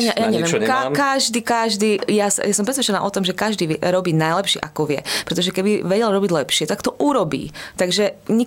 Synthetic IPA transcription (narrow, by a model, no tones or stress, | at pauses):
ɲajaɲɛʋɪɛmakaʒd̪iːkaʒd̪iːjasa̰jasɔmpɾɛsʋɛt͡ʃɛna̰ːʔɔt̪ɔmʒɛkaʒd̪iːʋɛɾɔbiːnajlɛpʃɛ̰ʔakɔʋɪɛ̰pɾɛt̪ɔʒɛkɛbiʋɛɟɛlɾɔbiɟlɛpʃɪɛt̪akt̪ɔʔuɾɔbḭːt̪aɡʒɛɲi